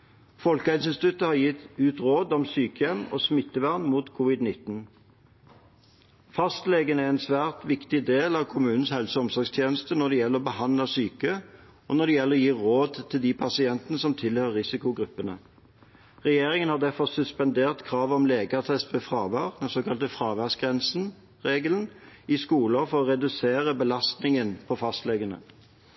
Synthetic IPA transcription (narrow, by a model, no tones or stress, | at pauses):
fɔlkəæɪsɪnsɪt̪ʉt̪ːəhɑʁjɪt̪ʉːt̪ʁoːd̪ɔmsyːkəjɛmɔ̰smɪt̪ːəʋæʁnmuːt̪kʰuːʋɪd̪nɪt̪n | fɑst̪leːɡənæɛnsʋæːʁt̪ʋɪkt̪ɪd̪eːlɑʋkʰʊmʉːnn̩shɛlsəɔmsɔʁɡst̪ʰjeːnəst̪ənɔd̪ɛjɛləʁɔbəhɑnləsyːkə | ʔɔ̰nɔd̪ɛjɛlːəʁɔjiːʁoːd̪t̪ʰɪld̪ipʰɑsɪɛnt̪ənəsɔmt̪ʰɪlhøːʁːɪsɪkʊɡɾʉpːənə | ʁɛjeːʁɪŋənhɑʁd̪æʁfɔʁsʉspɑnd̪eːʁt̪kʰʁɑːʋɔmleːɡət̪ʰɛst̪ʋɛfʁɑːʋɑːʁd̪ɛsoːkʰɑlt̪əfʁɑːʋæʁsɡʁɛnsn̩ | ʁeːɡəln̩ɪskuːləʁfɔʁɔʁɛd̪ʉseːʁəbəlɑst̪nɪŋənpʰɔfɑst̪lɛɡənə̰